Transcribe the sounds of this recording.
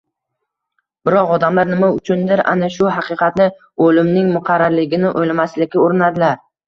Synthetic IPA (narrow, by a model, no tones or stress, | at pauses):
bɪɾɒqɒd̪amlaɾnɪmaʊt͡ʃʰʊnd̪ɪɾʔa̰naʃʊɦɑqʰɨqʰɑt̪nɪ | olɪmnɪŋmʊqʰɑɾːaɾlɪɡʲɪnɪʔojlamaslɪkʲɪoɾɪnad̪ɪlaɾ